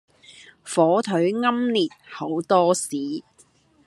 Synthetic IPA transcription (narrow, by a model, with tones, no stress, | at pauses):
fɔː˨˥t̪ʰɵ˨˥ɥŋɐ˥mliː˨t̚ho˨˥wt̪ɔː˥siː˨˦